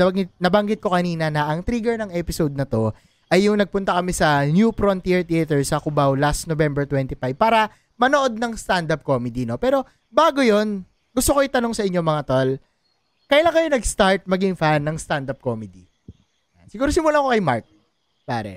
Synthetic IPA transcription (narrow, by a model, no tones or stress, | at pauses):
ɐɐŋɪt̪̚nɐbɐŋɡɪt̪̚ko̞kɐniːnɐnɐʔɐŋt̪ɾiɡɛɹnɐŋɛpɪsod̪̚nɐt̪o̞ | ʔɐjːʊŋnɐɡ̚pʊnt̪ɐkɐmisɐnjupɾont̪iɹt̪ːɐt̪ɛɹsɐkʊbawlasnovɛmbɛɹt̪wɛnt̪ifajb̚paːɾɐ | mɐnoʔo̞d̪̚nɐŋst̪and̪ɐp̚ko̞mɛd̪ino̞pɛːɾo̞ | baːɡojo̞n | ɡʊst̪okoʔɪt̪ɐno̞ŋsɐʔɪɲːo̞mɐŋat̪ol | kɐjlaŋkɐjonɐɡst̪aɹt̪̚mɐɡiŋfanːɐŋst̪and̪ɐp̚komɛd̪i | jansɪɡuːɾosɪmʊlakokɐjmaɹk̚ | pa̰ɾɛ̰